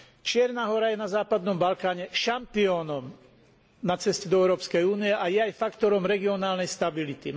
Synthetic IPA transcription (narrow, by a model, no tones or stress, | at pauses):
t͡ʃɪɛɾnaɦɔɾajɛnazaːpad̪nɔmbalkaːɲɛʃampiɔːnɔm | nat͡sɛscɛd̪ɔɛʊɾɔːpskɛjuːnijɛʔajɛajfakt̪ɔɾɔmɾɛɡiɔnaːlnɛjst̪abilit̪i